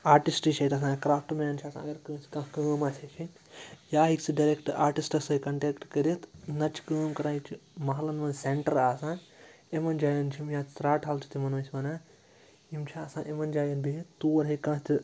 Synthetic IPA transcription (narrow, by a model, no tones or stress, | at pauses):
aːɾʈisʈit͡ʃʰɐt̪ɐs̬ãːkɾaːfʰʈmeːnt͡ʃʰaɐsã̰ːɐɡɐɾkə̃ːsʲkãːkəːmaːt͡ʃʰet͡ʃʰi | jaːɦiksiɖɐɾekʈaːɾʈisʈɐsɐikɐɳʈeːkʈkɐɾet̪nɐt͡ʃʰi̥kəːmkɐɾaːit͡ʃʰimɐɦɐlɐnʋɐnsẽɳʈɐɾaːsãː | emɐnd͡ʒaːjɐnt͡ʃʰimjaːɾaːʈɦaːlt̪ʰi̥t̪imɐnʋɐsʲiʋɐnaː | imt͡ʃʰaɐsãːʔemɐnd͡ʒaːjɐnbʱit̪uːɐɾɦɐkãːt̪i